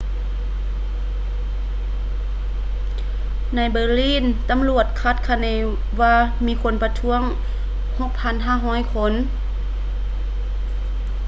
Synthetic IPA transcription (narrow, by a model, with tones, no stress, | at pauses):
na˧˩jbɤː˧˩liː˧˥˨nt̪a˧˦mlu˨˩ət̪̚kʰa˧˩t̪̚kʰa˧˩nɛː˧˩ | ʋaː˧miː˧˥˨kʰo˧˥˨npa˧t̪ʰu˧˥əŋ | ho˧˥k̚pʰa˧˥nɦaː˧˥˨ɦɔː˧˥˩jkʰo˧˥˨n